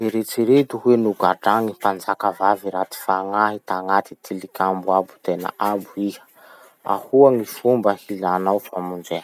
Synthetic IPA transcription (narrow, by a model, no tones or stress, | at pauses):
eɾet͡siɾet̪uhenuɡaɖ͡ʐaŋipand͡zakavaviɾat̪i̥faŋaɦit̪aŋat̪it̪ʰilikʲambuabu̥t̪ena̰ʔabuihə̥ | a̰huaŋifumbəhilanawfamund͡zen